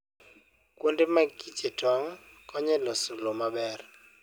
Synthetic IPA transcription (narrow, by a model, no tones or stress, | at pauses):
kwondɪmaɡit͡ʃetʰɔŋ | kɔɲɛlɔsulomabɛr